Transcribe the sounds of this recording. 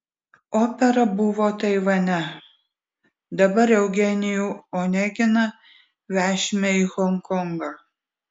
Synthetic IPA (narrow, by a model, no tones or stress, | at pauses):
oːpʲɛɾɐbʊʋoːt̪ɐɪʋɐnʲɛ | d̪ɐbɐɾɛʊɡʲɛnʲɪjuːoːnʲɛɡʲɪnɐ | ʋʲæːʃʲmʲɛixɔŋkɔŋɡɑ